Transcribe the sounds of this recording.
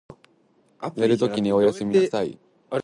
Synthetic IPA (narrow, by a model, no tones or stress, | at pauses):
seɾɯ̟t̪o̞kʲiɲ̟io̞jasɨmʲisaḭ